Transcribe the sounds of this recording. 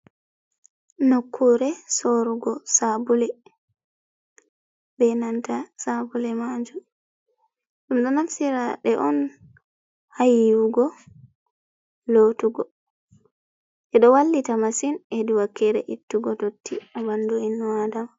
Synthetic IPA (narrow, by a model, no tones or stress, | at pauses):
nokʰːuɾɛsoɾuɡɔsabulɛ | bɛnantasabulɛmaɲd͡ʒu | ɗumɗɔnafsiɾaɗɛʔɔn | hajuɡɔ | lotuɡɔ | ʔɛɗɔwalːitamasinɛduwakːɛɾɛ̰ʔitːuɡɔtotːiabanduinːɔwadam